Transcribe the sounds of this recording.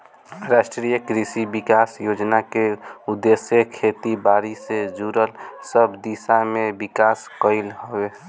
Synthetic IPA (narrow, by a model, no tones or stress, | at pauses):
ɾaʃʈɾijəkɾisibikaːsjoːd͡ʒnakeud̪ːesjəkʰet̪ibaːɾised͡ʒuɾəlsəbd̪isamẽbikaːskəɪlɦowe